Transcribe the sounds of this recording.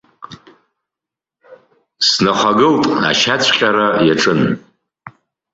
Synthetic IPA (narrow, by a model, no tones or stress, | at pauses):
snaχʷaɡɨltʼa̰ʃat͡ɕʷʰʼqʲʼaɾajaʈ͡ʂʼɨn